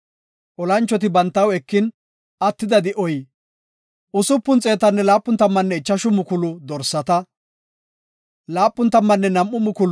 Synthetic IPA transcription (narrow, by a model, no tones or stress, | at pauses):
ʔɔlɐnt͡ʃːɔt̪ɪbɐnt̪ːɐwɛkːɪn | ɐt̪ːɪd̪ɐd̪ɪʔɔj | ʊsʊpːʊnt͡sʼe̞ːt̪ɐnːɛlaːpːʊnt̪ɐmːɐnːɛɪt͡ʃːɐʃʊmʊkʊlʊd̪ɔɾsːɐt̪ɐ | laːpʼːʊnt̪ːɐmːɐnːɛnɐmːʊmʊkʊl